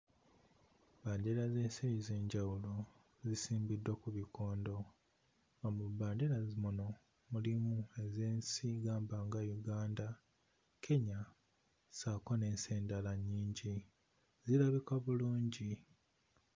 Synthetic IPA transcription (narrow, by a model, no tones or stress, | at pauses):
baːɲɟiɾaze̞ːnsejize̞ːɲɟawulo̞ | zisiːmbidwakuβiko̞ːndo̞ | ŋɡamubaːɲdiɾazimuno̞ | mulimue̞ze̞ːnsiɡaːmbaːŋɡajuɡaːnda | kʰe̞ɲa | saːkone̞ːnse̞ːndalaɲːiːɲɟi | zilaβikaβuluːɲɟi